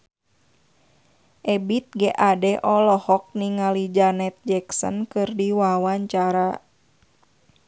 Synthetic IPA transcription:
ʔɛbit̪̚ɡɛʔadɛʔɔlɔhɔk̚niŋalid͡ʒanɛt̪̚d͡ʒɛksɔ̰nkɨrdiwawaɲt͡ʃaɾa

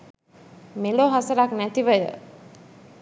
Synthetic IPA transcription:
meloːɦasəɾaknæt̪iʋəjə̰

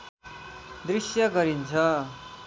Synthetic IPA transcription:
d̪risjʌɡʌɾint͡sʰʌ

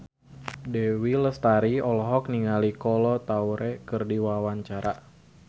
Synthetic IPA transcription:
dewiləst̪aɾiɔlɔɦɔk̚niŋalikɔlɔt̪auɾekɨrdiwawaɲt͡ʃaɾa

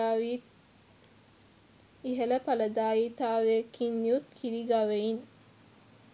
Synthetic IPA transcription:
aːʋit̪̚ | iɦeləpɐləd̪aːjit̪aːʋekinːiut̪kʰiɾiɡaʋein

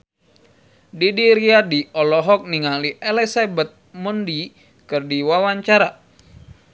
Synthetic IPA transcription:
didiɾiadiɔlɔɦɔk̚niŋaliʔɛlɛsabɛt̪̚mundi | kɨrdiwawaɲt͡ʃaɾa

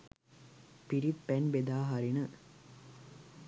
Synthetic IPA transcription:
piɾit̪pænbed̪aːɦaɾinə

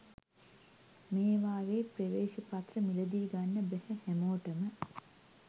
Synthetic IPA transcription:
meːʋaːʋeːpreʋeːʃipat̪rəmiləd̪iːɡanːəbɛhɛhæmoːʈəmə

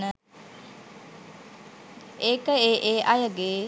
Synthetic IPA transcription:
nə | eːkəeːʔeːʔajəɡeː

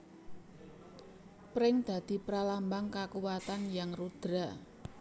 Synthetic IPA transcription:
pɾɪŋd̪̥ä̤d̪̥i̤pɾalambaŋkakuwat̪anjaŋrud̪̥ɾa

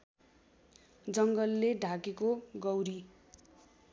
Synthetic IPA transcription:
d͡zʌŋɡʌlːeɖʱakekoɡʌwɾi

